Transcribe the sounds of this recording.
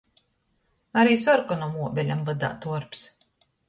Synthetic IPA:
aɾiːsɔɾkɔnɔmuɔbʲɛlʲamvad̪a̰ːt̪uɔɾps

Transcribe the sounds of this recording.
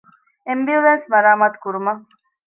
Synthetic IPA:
embiulensmɐɾaːmaːt̪u̥kuɾumɐ

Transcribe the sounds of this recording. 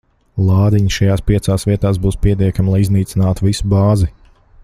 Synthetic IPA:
lˠɑːd̪iɲʃajaːspiɛsaːsviɛt̪aːs̬buːspiɛt̪iɛkamlˠajizniːt̪sinaːt̪uvisubɑːzi

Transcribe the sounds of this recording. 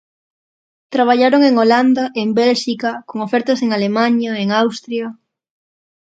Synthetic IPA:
t̪ɾaβ̞aʎaɾoŋeŋoland̪aʔembɛlʃikakoŋofɛɾt̪ɐseŋalemaɲaeŋawst̪ɾjɐ

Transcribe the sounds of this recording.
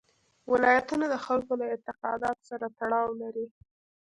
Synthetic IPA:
wɪlɑjat̪unad̪əxalkolaɪnt̪ɪqɑ̰d̪ɑt̪o̥saɾat̪aɽɑwlaɾi

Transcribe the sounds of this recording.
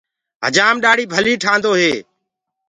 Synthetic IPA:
ɦə̰d͡ʒaːmɗaːɽiːbʱəliːʈʰãːnd̪oːɦeː

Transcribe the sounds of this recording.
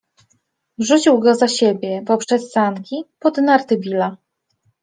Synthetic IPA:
vʐut͡ɕiwɡɔzaɕebʲjɛpɔpʂɛsːant̪kʲipɔd̪naɾt̪ɘbʲila

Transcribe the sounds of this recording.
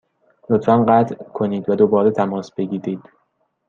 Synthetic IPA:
lot̪fænɢæːt̪ʰkʰo̞niːd̪væd̪obɒːɾet̪ʰæmɒːsbe̞ɟiːɾiːd̪̥

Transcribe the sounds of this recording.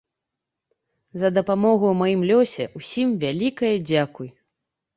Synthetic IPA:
zɐd̪ɐpamɔɣuwmajimlʲɔsʲɛusʲimvʲalʲikɐjɐd͡zʲakuj

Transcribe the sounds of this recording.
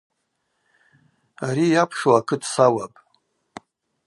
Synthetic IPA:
aɾijapʰʂoakʰɨdʰʼsawapʼ

